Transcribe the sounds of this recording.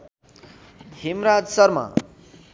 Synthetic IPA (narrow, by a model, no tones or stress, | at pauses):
himɾad͡zsʌrma̰